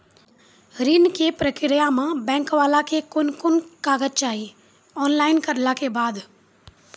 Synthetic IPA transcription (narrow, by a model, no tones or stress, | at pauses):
ɾinkepɾəkɪɾijamãbɛ̃ːŋkʋaːlakʰekʊnkʊnkaːɡət̚t͡ʃaːɦiː | ɔːnlaːɪnkəɾlakebaːd̪